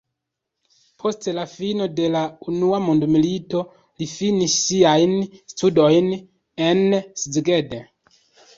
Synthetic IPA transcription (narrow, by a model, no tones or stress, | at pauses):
pʰo̞stlafino̞de̞launuamondmilito̞ | lifinisːiajnstudo̞jn | e̞nsid͡ziɡede